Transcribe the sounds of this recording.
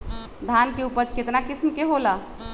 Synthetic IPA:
d̪ʱankeupəd͡ʒket̪nakismkeɦola

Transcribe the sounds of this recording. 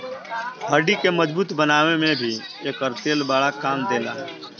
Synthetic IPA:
ɦəɾɖikeməd͡ʒbuːt̪bənaːʋemẽbʱi | eːkəɾt̪eːlbaːɭakaːmd̪eːlaɦɛː

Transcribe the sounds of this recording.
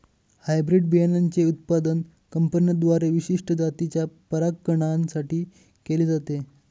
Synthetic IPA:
hajbɾiɖbijanant͡seut̪̚pad̪ən | kəmpənjəd̪ʋaɾeʋiɕiʂʈəd͡zat̪it͡ɕjapəɾakːəɽ̃ansaʈiː | keleːd͡zat̪e

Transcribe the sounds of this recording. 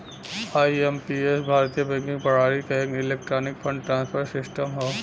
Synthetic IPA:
aːiempiesbʱaːɾt̪ijəbɛ̃ŋkɪ̃ŋɡpɐɽ̤aːɾikɐɦẽːŋɪleːk̚ʈɾoːnɪkfʰɐ̃ɳɖʈɾãːnspʰəɾsɪsʈəmɦoː

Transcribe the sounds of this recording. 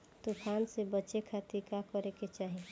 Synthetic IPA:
t̪upʰansebəːt͡ʃekʰat̪iɾkakɔɾeket͡ʃaːɦi

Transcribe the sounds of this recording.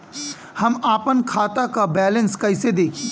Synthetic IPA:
hɐmaːpənkʰaːt̪akabɛːlə̃nskɐɪsed̪eːkʰiː

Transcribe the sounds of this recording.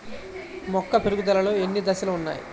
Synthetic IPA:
mɔkːɐpeɾuɡud̪ɐlɐloːenːid̪ɐsɐluːnːa̰ːjḭ

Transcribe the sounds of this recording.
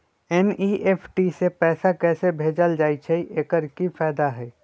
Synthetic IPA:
ɛniːʔeːpʰʈisepɛːsakɛːsebʱeːd͡ʒəld͡ʒaːit͡ʃʰɛiʔeːkəɾkifɛːd̪aɦɛː

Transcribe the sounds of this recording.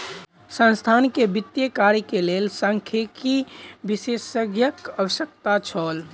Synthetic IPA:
sə̃nst̪ʰankebit̪jəkaɾikelelsə̃ŋkʰekibisesəɡjəkəʋəsjək̚t̪at͡ʃʰɔl

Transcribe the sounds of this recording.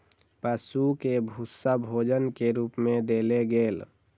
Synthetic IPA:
pəsukebʱusabʱoːd͡ʒənkeɾuːpmẽd̪eleɡeːl

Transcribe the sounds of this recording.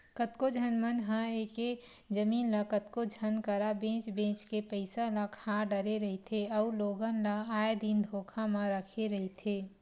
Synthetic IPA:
kət̪kod͡ʒʱənmənɦə̃eːke | d͡ʒəmiːnləkət̪kod͡ʒʱənkəɾabẽːt͡ʃbẽːt͡ʃkepəɪsalakʰaɖəɾeɾəɦet̪ʰeɔʊloːɡənlaaːed̪iːnd̪ʱoːkʰamə̃ɾəkʰeɾɐɦit̪ʰeː

